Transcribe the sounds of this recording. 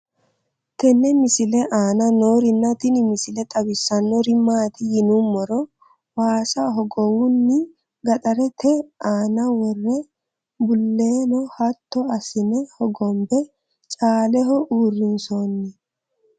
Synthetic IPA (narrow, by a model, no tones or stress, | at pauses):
t̪ɛnːɛmɪsɪlɛʔaːnɐnoːɾɪnːɐt̪ɪnɪmɪsɪlɛt̪ʼɐbɪsːɐnːɔɾɪmaːt̪ɪjɪnumːɔɾɔ | waːsɐɦɔɡɔwʊnːɪ | ɡɐt̪ʼɐɾɛt̪ʰɛaːnɐwɔrːɛ | bʊlːeːnɔhɐt̪ːɔɐsɪnɛhɔɡɔmbɛ | t͡ʃʼaːlɛɦɔʔuːrːɪnsoːnːɪ